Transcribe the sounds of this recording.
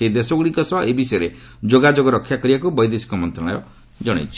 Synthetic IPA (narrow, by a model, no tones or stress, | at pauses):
eid̪esɔɡɽikɔsɔʔebisɔjɔɾe | d͡ʒoɡad͡ʒoɡɔɾɔkʰːjakɔɾibakubɔjd̪esi̥kɔmɔnt̪ɾɔɽ̃ɔ̰jɔ | d͡ʒɔɽ̃ḛjt͡ʃʰi̥